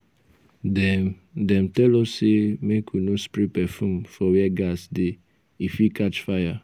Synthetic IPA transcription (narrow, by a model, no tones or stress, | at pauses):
dɛm | dɛ̃mtɛlɔssemekʰunospɾipɛfũmfɔwɛɡasde | ifikat͡ʃfaja